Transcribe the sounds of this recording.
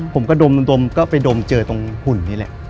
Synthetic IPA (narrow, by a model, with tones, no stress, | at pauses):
pʰo˩˦mkɔː˥˩do˧m˧d̪o˧mkɔː˥˩pa˧jdoː˧mt͡ɕɤː˧t̪o˧ŋhʰu˨˩nːiː˦˥˩lɛ̰˨˩ʔ